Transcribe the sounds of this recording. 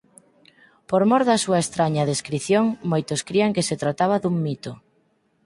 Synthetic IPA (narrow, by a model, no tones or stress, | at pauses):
poɾmɔɾðɐsuɐest̪ɾaɲɐðeskɾiθjoŋmojt̪oskɾiɐŋkeset̪ɾat̪aβ̞ɐðuŋmit̪o